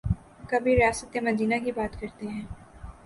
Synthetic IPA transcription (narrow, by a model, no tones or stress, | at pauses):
kɐbʱiɾijaːsət̪emɐd̪iːnakibaːt̪kɐɾt̪eɦɛ̃ː